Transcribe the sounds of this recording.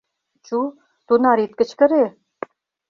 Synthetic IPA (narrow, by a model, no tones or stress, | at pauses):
t͡ɕu | t̪unɑɾit̪̚kə̆t͡ɕkə̆ɾe